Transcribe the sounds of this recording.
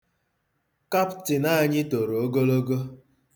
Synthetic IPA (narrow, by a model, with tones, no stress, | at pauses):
ka˦ptɪ˨na˦˨ɲɪ˦to˨ɾo˨o˦ɡo˦lo˦ɡo˦